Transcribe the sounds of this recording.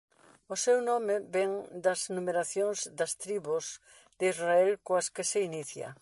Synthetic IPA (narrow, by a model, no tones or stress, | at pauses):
ʊsewnɔmɪbɛŋd̪ɐznumeɾaθjõŋzd̪ɐst̪ɾiβʊz | d̪izraɛlkoɐskɪseiniθjɐ̰